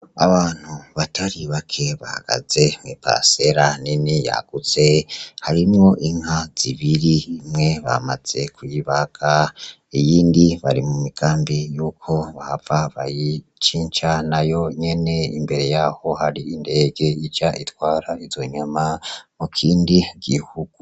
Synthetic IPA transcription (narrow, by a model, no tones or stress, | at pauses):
a̰βaːn̥huβatʰaɾiβakʰe̞βaha̰ɡ̥a̰ze̞mepa̰se̞ɾaninija̰ɡ̥ut͡se̞haɾimŋo̞ʔiŋhaz̥iβiɾiːmŋe̞βa̰maz̥e̞kujiβaɡʰa | ijiːndiβaɾimumiɡ̥aːmbijuːkʰo̞βavaβaji | t͡ʃiːɲt͡ʃanajo̞ɲe̞ne̞imbe̞ɾe̞jaːho̞haɾiinde̞ːɡe̞id͡ʒaʔitwaːɾaiz̥o̞ɲamamukʰiːndiɡ̥ihuɡ̥u